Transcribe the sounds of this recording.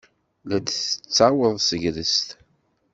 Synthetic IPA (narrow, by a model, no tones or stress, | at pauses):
læd̪θə̥t͡sːawəðˤsəʝɾəst̪